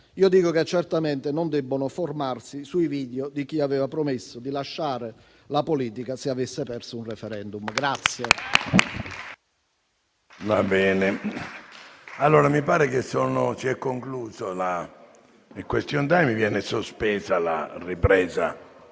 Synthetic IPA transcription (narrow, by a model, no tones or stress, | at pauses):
iːod̪iːkoket͡ʃːɛrt̪ament̪enond̪ɛbːonoformarsisuiviːd̪jod̪ik̟iavɛːvapɾomesːod̪ilaʃːaːɾe | lapoliːt̪ikaseavesːepɛrsounrɛfɛɾɛnd̪umɡɾat̪sːje | vabɛːne | alːoːɾamipaːɾekesonot͡ʃiɛkːoŋkluːzola | ikwest̪jont̪ajmivjɛːnesospɛːzala̰ripɾɛːza̰